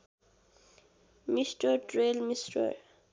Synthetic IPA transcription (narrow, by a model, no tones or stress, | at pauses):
mistədɹelmistə̰